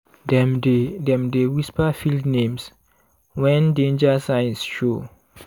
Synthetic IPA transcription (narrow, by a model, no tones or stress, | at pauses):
dɛdɛ̃mdewispəfildnẽms | wɛ̃ndẽnd͡ʒəsãjnsʃo